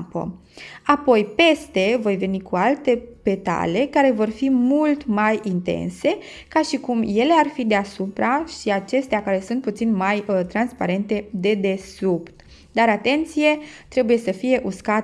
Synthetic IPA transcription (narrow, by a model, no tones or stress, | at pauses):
pə̰ | apo̞jpe̞st̪e̞vo̞jve̞nikualt̪e̞pe̞t̪a̰le̞kaɾe̞vo̞rfimult̪majint̪e̞̰nse̞ | kaʃikumje̞le̞arfid̪easupɾaʃiat͡ʃe̞st̪eakaɾe̞sunt̪̚put̪sinmajət̪ɾanspaɾe̞nt̪e̞d̪e̞d̪e̞supt̪ | d̪aɾat̪e̞nt̪sije̞t̪ɾe̞buje̞səfije̞ʔuska